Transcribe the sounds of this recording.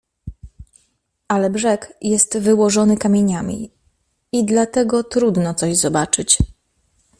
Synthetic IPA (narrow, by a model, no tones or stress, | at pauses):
ʔalɛbʐɛkjɛst̪vɘwɔʐɔnɘkamʲjeɲamʲḭ | id̪lat̪ɛɡɔt̪ɾud̪nɔt̪sɔʑzɔbat͡ʂɘt͡ɕ